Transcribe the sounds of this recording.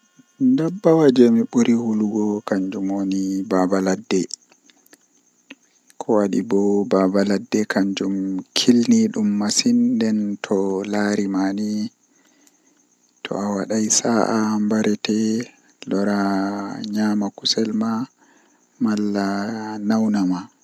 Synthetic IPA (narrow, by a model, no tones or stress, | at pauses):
ndabːawad͡ʒɛmiɓuɾihuluɡɔkaɲd͡ʒumonibabaladːɛ | kʰɔwaɗḭbɔbabaladːɛkʰaɲd͡ʒumkʰilniɗumːasindɛntʰɔlaɾimani | tʰɔ̰awaɗajsaʔambaɾɛtɛ | lɔɾaɲamakusɛlma | malːanawnama